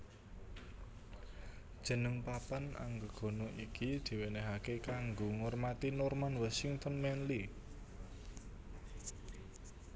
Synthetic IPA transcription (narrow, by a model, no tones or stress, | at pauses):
d̥ʒ̥ə̤nəŋpapana̰ŋɡəɡ̥o̤noʔikid̪̥i̤weneɦakekaŋɡoŋɔrmat̪inɔrmanwasiŋt̪ɔnmɛnli